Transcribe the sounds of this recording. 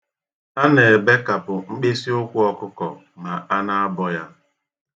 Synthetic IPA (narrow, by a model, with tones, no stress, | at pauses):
a˦ne˨e˨be˦ka˨pʊ˨ŋ͡m̩˦k͡pe˦si˦ʊ˦kʷʊ˦ɔ˦kʊ˦kɔ̰˨ | ma˨a˦na˦a˦bɔ˦ja˦